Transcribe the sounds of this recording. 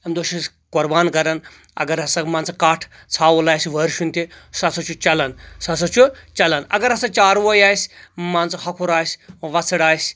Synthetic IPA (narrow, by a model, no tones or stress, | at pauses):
ɐmd̪oʃis | ɡ̥oɾbaːnɡɐɾɐn | ɐ̰ɡɐɾɐsɐmaːnt͡sʰɐkaːʈʰ | t͡sʰaːwulaːjsʲʋəːɾʃunʲt̪esɐsʰɐt͡ʃʰut͡ʃɐlɐnsɐsʰɐt͡ʃʰut͡ʃɐlɐnɐ̰ɡɐɾɐsɐt͡ʃaːɾʋojaːjsʲmaːnt͡shɐkʰuɾaːjsʲʋɐt͡sʰɐɽaːjsʲ